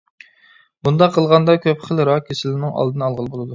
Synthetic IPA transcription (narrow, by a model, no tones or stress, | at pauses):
bund̪ɑqʰːəlˠʁɑnd̪ɑkʲʰøpχəlˠɾɑkʲʰesɪlɪnɪŋɑ̰lˠd̪ɨnɨɑlˠʁəlˠbolˠɨd̪u